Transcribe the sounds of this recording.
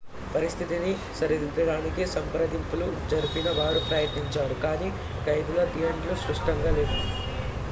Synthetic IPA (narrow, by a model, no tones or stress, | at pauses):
pɐɾist̪ʰit̪ini | sɐɾid̪it̪ɐɽaːnikisɐmpɾɐd̪ʱimpulud͡ʒɐɾupinɐʋaːɾupɾɐjɐt̪niɲt͡ʃaːɾukaːniː | kɐjd̪ulɐd̪ijɐɳʈlusɾuʂʈɐŋɡaːleːd̪u